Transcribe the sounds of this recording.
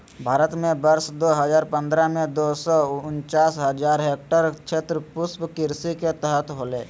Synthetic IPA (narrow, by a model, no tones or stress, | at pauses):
bʱaːɾət̪mẽbəɾsd̪oːɦəzaːɾpə̃nd̪ɾamẽd̪oːsɔʊnt͡ʃaːsɦəd͡ʒaːɾɦeːk̚ʈəɾt͡ʃʰeːt̪ɾəpʊspkɪɾsiket̪əɦət̪ʰɦoːleː